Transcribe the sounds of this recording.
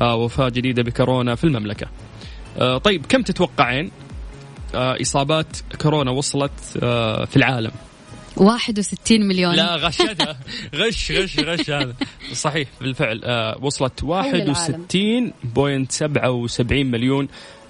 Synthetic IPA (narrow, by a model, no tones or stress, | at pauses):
wafaːd͡ʒɪd̪iːd̪abɪkʊɾoːnafilmamlaka | ʔt̪ˤɑjːɪbkamt̪ɪt̪wɑqːɑʕiːn | ʔɨ̰sˤɑːbɑːt̪kʊɾoːnawɑsˤɑlɑt̪filʕaːla̰m | waːħɪd̪wsɪt̪ːiːnmaljoːlaɣaʃat̪aɣɪʃɣaʃɣaʃhaːðasˤɑħiːħbɪlfɪʕlwɑsˤlɑt̪waːħɪwsɪt̪ːiːnboːjɪnt̪sabʕawsabʕiːnmaljoːn